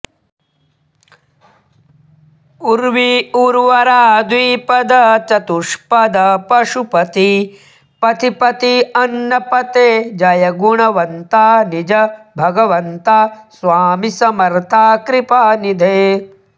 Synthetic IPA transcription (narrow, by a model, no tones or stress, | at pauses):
uɾʋiuɾʋɐɾaːd̪ʋiːpɐd̪ɐt͡ʃɐt̪uʂpɐd̪ɐpɐʂupɐt̪i | pɐt̪ipɐt̪iɐnːɐpɐt̪eːd͡ʒɐjɐɡuɳɐʋɐnt̪aːnid͡ʒɐbʱɐɡɐʋɐnt̪asʋaːmisɐmɐɾt̪ʰaːkɾipaːnid̪ʱeː